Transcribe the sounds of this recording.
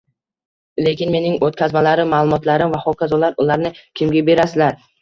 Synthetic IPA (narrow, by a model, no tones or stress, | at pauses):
le̞kʲɪnme̞nɪŋot̪̚kʲʰazmalaɾɪmːaːlˠʊmɒt̪laɾɪmvaχɒwkʰʲazɒlˠaɾʊlˠaɾnɪkʲʰɪmɡʲabe̞ɾasɪlaɾ